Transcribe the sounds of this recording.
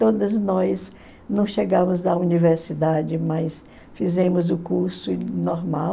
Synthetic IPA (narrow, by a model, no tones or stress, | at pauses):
t̪od̪ɐznɔjs | nɐ̃w̃ʃeɡɐ̃mʊznɐuniveɾsid̪ad͡ʒɪmɐs | fizẽmʊzʊkuɾsʊnɔɾmaw